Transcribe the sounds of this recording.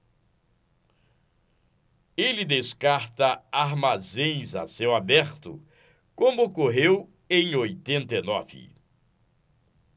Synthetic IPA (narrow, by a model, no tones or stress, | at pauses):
elɪd̪eskaɾt̪ɐaɾmazẽj̃za̰sewabɛɾt̪ʊ̰ | kõmʊkoɦew | ẽj̃ojt̪ẽnt̪enɔ̰vɪ̰